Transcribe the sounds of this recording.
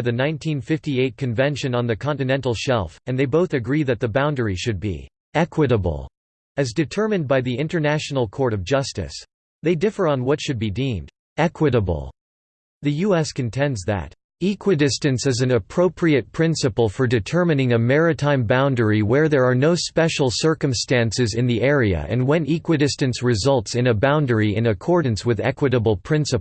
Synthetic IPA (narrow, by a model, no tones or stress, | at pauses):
ðɨnãɪ̃ntʰĩnfɪftieɪt̚kʰɨ̃nvɛ̃nʃɨ̃nə̃nðɨkʰɑ̃ntɨnɛ̃ntˡl̩ˠʃɛ̰lˠfɨ̃nðeɪboʊθɨɡɹiðɨt̪̚ðɨbãʊ̃ndə˞iʃɨd̚bḭ | ɛkʰwɨɾəb̰l̩ˠ | ɨzdɨtʰɜ˞mɨ̃n̚baɪðiɪ̃ntə˞næʃn̩l̩ˠkʰɔɹɾʌvd͡ʒʌstɨ̰s | ðeɪdɪfə˞ə̃nwʌtʃɨd̚bidĩmd | ɛkʰwɨɾəb̰l̩ˠ | ðɨjuɛskɨ̃ntʰɛ̃ndzðɨ̰t | ikʰwɨdɪstɨ̃nsɨzɨ̃nɨpʰɹ̥oʊpʰɹiɨt̚pʰɹ̥ɪ̃nsɨpl̩ˠfə˞dɨtʰɜ˞mɨnɪ̃ŋɨmɛɹɨtʰãɪ̃mbãʊ̃ndə˞iwə˞ðə˞ːnoʊspɛʃl̩ˠsɜ˞kə̃mstæ̃nsɨzɨ̃nðiʔɛɹiɨ̰ʔɨ̰̃nwɛ̃nikwɨdɨstɨ̃nsɹɨzʌlˠtsɨ̃nɨbãʊ̃ndə˞iɪ̃nɨkʰɔɹdⁿn̩swɨðɛ̰kwɨɾəbl̩ˠpʰɹ̥ɪ̃nsɨp